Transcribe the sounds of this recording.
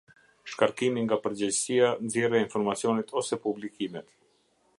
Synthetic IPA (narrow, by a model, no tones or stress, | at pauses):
ʃkaɾkimiŋɡapəɾd͡ʑɛd͡ʑsianzjɛɾɛinfɔɾmat͡siɔnit̪ʰɔsɛpublikimɛt̪